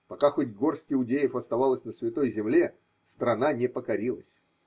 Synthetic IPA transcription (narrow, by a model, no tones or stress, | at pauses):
pɐkaxotʲɡo̞rsʲtʲɪʊdʲejɪfɐst̪ɐvalˠəsʲnəsvʲɪt̪o̞jzʲɪmlʲe | st̪ɾɐnanʲɪpəkɐɾʲilˠə̰sʲ